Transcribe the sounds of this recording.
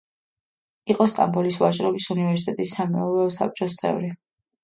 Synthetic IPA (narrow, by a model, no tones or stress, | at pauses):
iqʼɔst̪ʼa̰mbɔlisvat͡ʃʼɾɔbisunivɛɾsi̥t̪ʼɛt̪ʼisːamɛɔɾɛɔsa̰p̚t͡ʃʼɔs̬t̪sʼɛ̰vɾi